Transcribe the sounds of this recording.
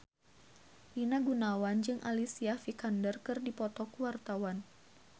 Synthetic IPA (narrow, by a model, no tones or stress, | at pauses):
ʔinaɡunawand͡ʒɨŋʔa̰lisiafikandərkɨrdipɔt̪ɔkuwart̪awan